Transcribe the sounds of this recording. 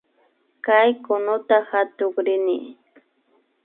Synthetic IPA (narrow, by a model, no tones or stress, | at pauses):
kajkʊnʊt̪ahat̪ʊkɾɪnɪ